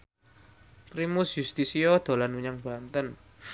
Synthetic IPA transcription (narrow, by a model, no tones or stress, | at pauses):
pɾimusjust̪isiɔd̪̥o̤lanwuɲaŋb̥a̤nt̪ən